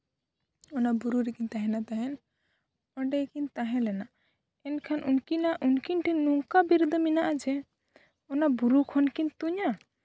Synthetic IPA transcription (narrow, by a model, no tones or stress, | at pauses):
ɔnabuɾuɾɛkint̪aɦɛ̃nat̪aɦɛn | ɔɳɖɛkint̪aɦɛ̃lɛna | ɛnkʰanʔunkinaʔunkinʈʰinuŋkabiɾd̪ɔminaʔad͡ʒɛ | ɔnabuɾukʰɔnkint̪uɲa